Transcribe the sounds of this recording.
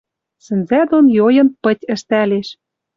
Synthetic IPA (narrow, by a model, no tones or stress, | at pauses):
sɘ̆nzæd̪onjojɤ̆npɤ̆tʲə̆ʃt̪æleʃ